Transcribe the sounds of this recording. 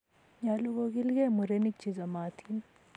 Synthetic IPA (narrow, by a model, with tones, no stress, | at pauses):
ɲa˨lu˦ɡoɡi˦lɡe˦mu˨ɾeni˦k̚t͡ʃi˨zɐ˨maː˨t̪ʰin